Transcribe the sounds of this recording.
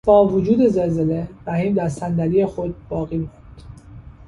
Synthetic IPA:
b̥ɒːvod͡ʒuːd̪e̞zelzeleɾæhiːmd̪æɾsænd̪æɾiːjexod̪̚bɒːɣiːmond̪̥

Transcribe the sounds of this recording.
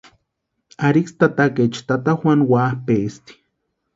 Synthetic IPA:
aɾikst̪at̪aket͡ʃt̪at̪ahwanwahpest̪i̥

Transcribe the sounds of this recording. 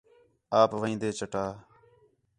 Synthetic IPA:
aːpʋəĩːnd̪eːt͡ʃəʈaː

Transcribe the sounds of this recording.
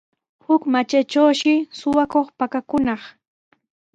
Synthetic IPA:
hʊkmat͡ʃat͡ʃawʃɪsʊwakoχpakakʊnɑχ

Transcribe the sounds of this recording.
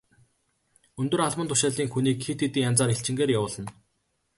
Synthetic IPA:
ɵnt̪ɵ̆raɮwə̆nt̪ʊ̥ʃaːɮiːŋxuniːkxit̪et̪iːŋjant͡saːɾeɬt͡ɕɪ̆ŋɡeːɾjawʊːɮə̆n

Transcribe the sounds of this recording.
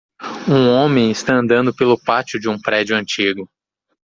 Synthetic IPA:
ũõmẽj̃ɪst̪aɐ̃nd̪ɐ̃nd̪ʊpelʊpat͡ʃʊd͡ʒɪũpɾɛd͡ʒʊɐ̃nt͡ʃiɡʊ

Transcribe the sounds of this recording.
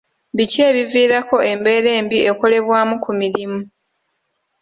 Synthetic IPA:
bice̞ːβiviːɾako̞ʔe̞mbe̞ːɾe̞ːmbiʔe̞ko̞le̞βwaːmukʰumiɾimu

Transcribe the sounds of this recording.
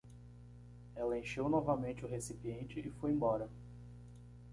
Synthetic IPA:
ɛlɐẽj̃ʃewnɔvɐmẽnt͡ʃɪʊɦesipiẽnt͡ʃɪʔɪfojẽbɔɾɐ

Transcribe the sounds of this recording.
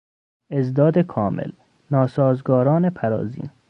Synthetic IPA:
ezd̪ɒːd̪ekʰɒːmʔḛl | nɒːsɒːzɡɒːɾɒːnepʰæɾɒ̰ːzḭːn

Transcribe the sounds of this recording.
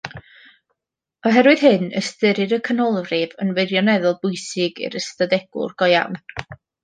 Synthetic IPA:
ɔɦɛɾwɨð̥ɦɨnə̰stɨɾɨɾəkʰənɔlˠrɪvənwɪɾjɔnɛðʊlˠb̥ʊjsɪɡɪ̰ɾəstadɛɡ̥ʊ̰rɡ̥ɔja̰wn

